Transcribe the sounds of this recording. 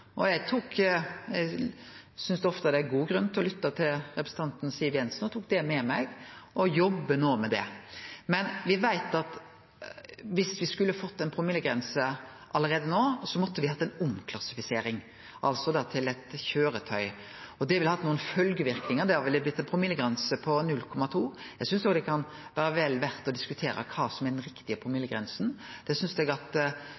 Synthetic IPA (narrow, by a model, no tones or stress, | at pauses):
ʔɔjæt̪ʰuːkjæɪ | sʏnsd̪ɛɔft̪ɑd̪ɛæɡuːɡɾʉnːt̪ʰɪlɔlʏt̪ːɑt̪ʰɪlɾɛpɾsn̩t̪ɑnt̪n̩siːʋjɛnsn̩ɔt̪ʰuːk̚d̪ɛmɛmæɡɔjɔbːənoːmɛd̪ɛ̰mɛnʋɪʋæɪt̪ɑt̪ | ʋɪsʋɪskʉlːəhɑfɔt̪ːɛnpʰɾʊmɪlːəɡɾɛnsə | ʔɑlːəɾeːd̪ənoːsɔmɔt̪ːəʋɪhɑt̪ːɛnʊmkʰlɑsɪfɪseːɾɪŋ | ʔɑ̰lsɔd̪ɑt̪ʰɪlɛt̪çøːɾət̪ʰœʏ | ɔd̪ɛʋɪləhɑt̪nuːənfœlɡəʋɪɾknɪŋəd̪ɛhɑʋɪlɪb̪ɪt̪ːɛnpʰɾʊmiləɡɾɛnsəpʰɔnʉlkʰɔmːɑt̪ʰuː | jæɡsʏnsoːɡd̪ɛkʰɑn | ʋæːɾəʋɛlʋæɾt̪ɔd̪ɪskʉt̪ʰeːɾə̰kʰɑːsɔmæɾɖ̪ɛnɾɪkt̪ɪəpʰɾʊmiləɡɾɛnsən̩d̪̥ɛsʏnsd̪ɛɡɑt̪